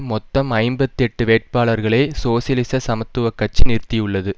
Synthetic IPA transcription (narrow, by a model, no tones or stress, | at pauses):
mɔt̪ːɐmɐɪmbɐt̪ːɛʈːɯʋeːʈ̚paːɭɐɾɣɐɭeːsoːsjɐlɪsɐsɐmɐt̪ːɯʋɐkːɐt͡ʃːɯnɪɾt̪ɪjɯɭːɐðɯ